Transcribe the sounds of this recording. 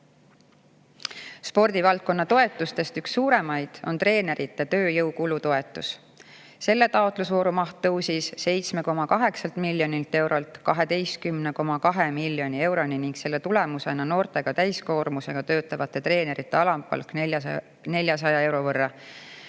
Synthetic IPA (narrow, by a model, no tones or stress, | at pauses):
spo̞rd̪̥ivɑlt̪̚ko̞nːɑt̪o̞e̞t̪ːˑust̪e̞st̪yksːuːɾe̞mɑjd̪̥o̞̰nt̪re̞ːne̞ɾʔit̪ːˑet̪øːjɤwkulut̪o̞e̞t̪ːˑus | se̞lːe̞t̪ɑot̪ˑlusvo̞ːɾumɑht̪ːɤwsisse̞jt̪sme̞ko̞mɑkɑɦe̞ksɑlt̪milːjo̞nilt̪e̞wɾo̞lt̪kɑɦe̞d̪e̞js̚kymne̞ko̞mɑkɑɦemilːjo̞nʲie̞wɾo̞niniŋɡ̥se̞lːet̪ule̞muse̞nɑno̞ːrt̪e̞ɡ̥ɑt̪æjsko̞ːɾmuse̞ɡ̥ɑt̪ø̞ːt̪ːˑɑvɑt̪ːˑe̞t̪re̞ːne̞ɾit̪ːˑe̞ɑlɑmpːˑɑ̰lk | ne̞lʲjɑs̬ɑjɑe̞wɾo̞vɤrːɑ